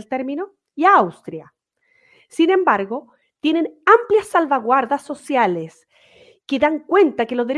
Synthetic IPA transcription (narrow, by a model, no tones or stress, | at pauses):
lt̪eɾmino̞ | iaawst̪ɾja | sine̞mbaɾɣo̞ | t̪jene̞nampljasːalβaɣwaɾðasːo̞sjales | keðaŋkwe̞nt̪akelozðeɾ